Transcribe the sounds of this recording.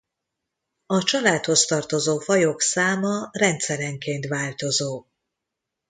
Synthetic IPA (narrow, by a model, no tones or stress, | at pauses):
ɒt͡ʃɒlaːt̪ho̞st̪ɒrt̪o̞zoːfɒjoksaːmɒrɛnt̪sɛɾɛŋkeːnt̪ʋaːlt̪o̞zoː